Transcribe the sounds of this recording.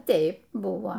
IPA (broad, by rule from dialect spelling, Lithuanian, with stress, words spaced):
ˈtʲɛɪp ˈbʊʋoː